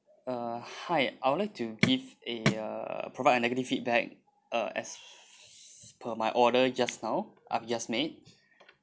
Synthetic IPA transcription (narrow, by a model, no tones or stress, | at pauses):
ʌhaɪajwud̚laɪk̚tʰuɡiveʌ̰pɹovaɪdənɛɡətiffit̚bɛk̚ | ʌ̰ɛ̰s | pʰəmajʔɔdəd͡ʒasnaʊʔa̰jfd͡ʒasmet̚